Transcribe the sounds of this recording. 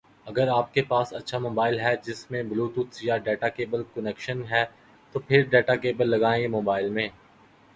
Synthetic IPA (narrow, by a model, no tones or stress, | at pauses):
ɐɡəɾaːp̚kepaːsɐtːʃʰamoːbaːɪlɦɛd͡ʒɪsmẽbluːt̪ʊt̪sjaɖɛːʈakeːbəlkʊnɛkʃənɦɛː | t̪opʰɪɾɖɛːʈakeːbəlːɐɡaːẽɡemoːbaːɪlmẽː